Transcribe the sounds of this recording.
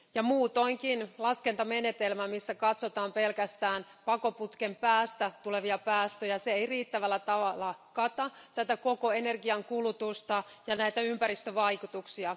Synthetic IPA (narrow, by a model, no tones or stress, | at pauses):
jɑmuːt̪oŋkinlɑskent̪ɑmenet̪elmæmisːækɑt̪sot̪ɑːmpe̞lkæst̪æːn | pɑko̞put̪kempæːst̪æt̪ule̞ʋiɑpæːst̪øjæseeiriːt̪ːæʋælːæt̪ɑʋɑlːɑkɑt̪ɑt̪æt̪ækokoenerɡiɑŋkulut̪ust̪ɑ | jɑnæit̪æympæɾist̪øʋɑikut̪uksiɑ